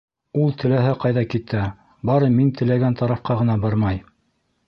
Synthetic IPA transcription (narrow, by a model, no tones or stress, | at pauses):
ulˠt̪ʰɘ̆læɦɘqɑjðɑkit̪æ | bɑɾɤmint̪ɘ̆læɡænt̪ɑɾɑfqɑʁɤ̆nɑbɑɾmɑj